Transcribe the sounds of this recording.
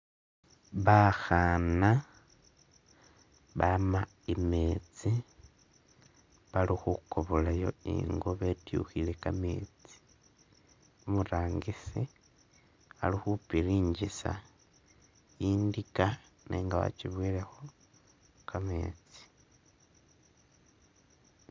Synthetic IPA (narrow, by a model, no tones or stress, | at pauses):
βaxana | βama | ime̞t͡si | βalixukoβolajo̞̰ḭŋɡoβe̞tjṵxile̞kamḛːt͡si̥ | omuɾaːŋɡisi | alixupiɾiːɲɟisa̰ | jiːndika | nḛːŋɡaβa̰t͡ʃiβwiːɾe̞xo̞ | kʰame̞̰ːt͡si̥